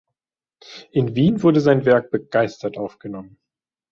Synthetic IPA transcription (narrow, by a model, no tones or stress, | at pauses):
ʔɪnviːnvʊɐɾəzaɪnvɛɐk̚b̥əɡ̥aɪstɐtʔaʊfɡ̥ənɔmən